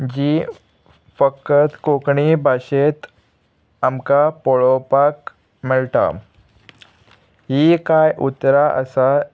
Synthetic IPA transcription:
d͡ʑiː | fəkət̪kokɳibʱaɕet̪ | amkapɔɭopak | məɭt̪a̰ | ɦikajʔut̪ːɾaʔə̰sa

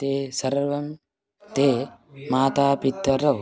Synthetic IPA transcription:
t̪eːsɐɾʋɐm | t̪eːmaːt̪aːpit̪ːɐɾɐʋ

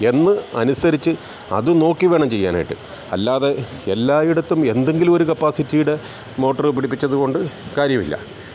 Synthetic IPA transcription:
e̞nːɨɐ̰nusɐɾit͡ɕːɨ | ɐ̰ðɨno̞ːkːiʋe̞ːɳɐmt͡ɕe̞jːa̰ːna̰ːjiʈːɨ̰ | ɐ̰lːaːðe̞elːaːjiɽɐt̪ːume̞nd̪e̞ŋɡilumo̞ɾukɐpːaːsitːijiɽe | mo̞ːʈːɐrɨpiɽip̬ːit͡ɕːɐðuɣo̞ɳɖɨkaːɾjɐmḭlːɐ̰

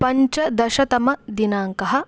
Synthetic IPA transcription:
pɐɲt͡ʃɐd̪ɐʃɐt̪ɐmɐd̪inaːŋkɐɦɐ̆

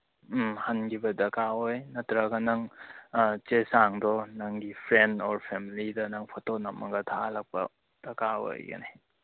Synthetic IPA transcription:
hɐnɡibɐdɐkawojnɐtɾɐɡɐnɐŋ | t͡ʃesaŋdɔnɐŋɡipʰɾendɔɾpʰemilidɐnɐŋpʰɔtonɐmɐɡɐtʰalɐk̚pɐ̰ | d̥ɐkawo̰jɡɐ̰nḭ

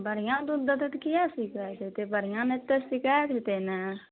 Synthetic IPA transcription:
bəɾɪjãːt̪ũd̪ət̪ət̪kɪjaːsikɛːt̪et̪eːbəɾɪjãːnet̪ːesɪkɛːt̪eːt̪eːnɛː

